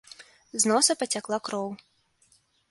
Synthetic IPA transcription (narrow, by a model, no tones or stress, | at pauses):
znɔsɐpɐt͡sʲaklˠakɾɔw